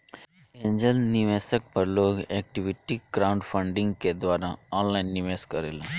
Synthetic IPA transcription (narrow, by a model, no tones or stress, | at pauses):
ẽːɲd͡ʒəlniʋeːsək̚pɐɾloːɡɛːk̚ʈiʋɪʈikɾaʊ̃ɳɖpʰə̃ɳɖɪ̃ŋɡked̪waːɾaɔːnlaːɪnːiʋeːskːəɾeːlã